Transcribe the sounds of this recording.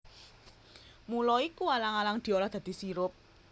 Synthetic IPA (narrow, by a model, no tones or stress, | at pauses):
mulɔikualaŋalaŋd̪̥i̤olɔd̪̥a̤d̪̥i̤siɾʊp̚